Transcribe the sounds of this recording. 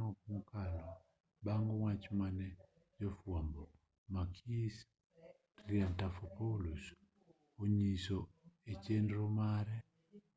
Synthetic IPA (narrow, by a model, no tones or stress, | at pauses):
ɔkmukalɔ | baŋɡɔŋat͡ʃmanɛ | d͡ʒɔfwambɔ | makʰis | ɾiantafɔpalus | oɲisoet͡ʃendɾɔmaɾɛ